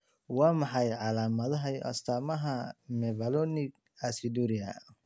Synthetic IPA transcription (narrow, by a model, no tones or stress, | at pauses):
wɑːmɑħɑjʕɑlaːmɐðɐɦɐjɐ̰st̪ʰaːmɐɦɐmɛβɐlɔnɪɡ | asid̪uɾɪɐ̰